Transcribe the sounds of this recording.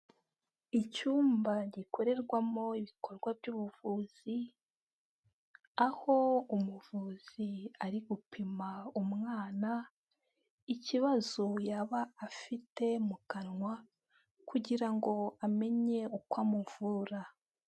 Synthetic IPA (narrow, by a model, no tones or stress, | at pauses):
icuːmbaɟiko̞ɾe̞ɾɡwamo̞iβikʰo̞ɾɡwabɟuːβuvuːz̥i | aho̞umuvuːz̥iaɾiɡupʰimaumŋaːna | iciβazojaβaafite̞mukanŋwa | kuɟiɾaŋɡo̞ame̞ɲe̞ukwamuvuːɾa